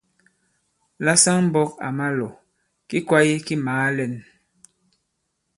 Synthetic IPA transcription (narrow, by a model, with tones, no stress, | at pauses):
la˦sa˦ŋm̩˦bɔ˦k̚a̰˨ma˦lɔ˨ | ki˦kwa˦je˦ki˦maː˨˦lɛ˨n